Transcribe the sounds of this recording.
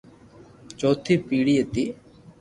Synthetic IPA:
t͡ʃoːt̪ʰiːpiːɽiːet̪iː

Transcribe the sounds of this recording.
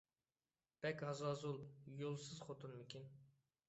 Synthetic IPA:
b̥ɛkʲhɑzɑzulˠjolˠsɨzχot̪ʰunmekʲin

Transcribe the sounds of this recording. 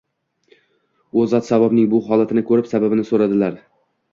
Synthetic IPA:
ozat̪savabnɪŋbʊɦɒlat̪ʰɪnɪkʰɵɾɪpsababɪnɪsoɾad̪ɪlaɾ

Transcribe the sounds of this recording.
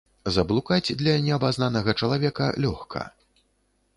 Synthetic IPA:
zɐblˠukad͡zʲd̪lʲɐnʲɛɐbaznanɐɣɐt͡ʂɐlˠavʲɛkɐ̰lʲɔxkʰɐ̰

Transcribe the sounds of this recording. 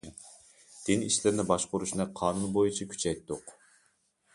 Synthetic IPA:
d̪̥ɪnḭʃlɪɾnɪbɑʃqʊɾuʃnɨqʰɑːnunbojut͡ʃʰɑkʲʰy̥t͡ʃʰɛjt̪ːʊq

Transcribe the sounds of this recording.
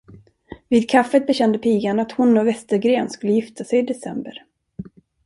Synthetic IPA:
viːd̪̚kʰafːət̪̚bɛɕɛnd̪əpʰiːɡanat̪hʊnːɔvɛst̪əɾɡɾeːnskɵlːəjɪft̪ʰasɛjɪd̪ɛsɛmbəɾ

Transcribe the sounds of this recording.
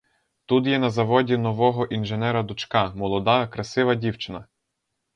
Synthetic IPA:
t̪ut̪jɛnɐzɐʋɔdʲinɔʋɔɦɔʔinʒenɛɾɐd̪ʊt͡ʃkɑmɔlˠɔd̪ɑkɾɐsɪʋɐdʲiwt͡ʃɪnɐ

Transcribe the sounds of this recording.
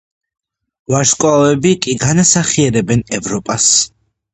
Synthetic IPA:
vaɾʃkʼwavɛbikʼiɡanasaχiɛɾɛbɛnɛvɾɔpʼas

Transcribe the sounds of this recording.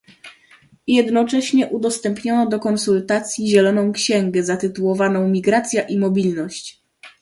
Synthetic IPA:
jɛd̪nɔt͡ʂɛɕɲɛʔud̪ɔst̪ɛmpɲɔnɔd̪ɔkɔnsult̪at̪sʲjiʑɛlɔnɔ̃w̃kɕɛŋɡɛzat̪ɘt̪uwɔvanɔ̃w̃mʲiɡɾat̪sʲjaʔimɔbʲilnɔɕt͡ɕ

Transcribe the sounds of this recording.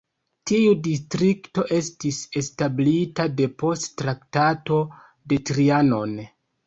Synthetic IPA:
tiudistɾikto̞ʔe̞stise̞stablitade̞po̞sttɾaktato̞ | de̞tɾianon

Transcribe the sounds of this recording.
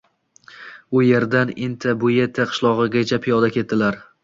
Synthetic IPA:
ʊje̞ɾd̪anɪnt̪ʰabʊjet̪ʰːaqʰɨ̥ʃlˠɒʁɨɡʲat͡ʃʰapʰijɒd̪akʲʰe̞t̪̚d̪ɪlaɾ

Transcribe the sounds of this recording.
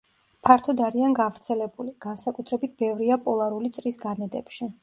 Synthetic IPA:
pʰaɾt̪ʰɔd̪aɾianɡavɾt̪sʰɛlɛbuliɡ̥ansakʼut̪ʰɾɛbit̪̚ʰbɛvɾiapʼɔlˠaɾulit̪sʼɾisɡanɛd̪ɛ̰pʃi

